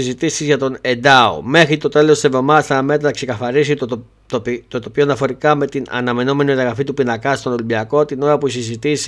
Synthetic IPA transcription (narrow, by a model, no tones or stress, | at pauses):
izit̪isizʝɐt̪o̞ne̞d̪ɐo̰me̞xɾit̪o̞t̪e̞lost̪isevðo̞mɐst̪ɐɐme̞t̪ɾɐɐkse̞kɐθɐɾis̬i | t̪opit̪ot̪opçonɐfo̞ɾikɐme̞t̪inɐ̰nɐme̞no̞me̞niɐðɐɣɾɐfit̪upinɐkɐst̪o̞no̞libiɐko̞t̪ino̞ɾɐpusizit̪is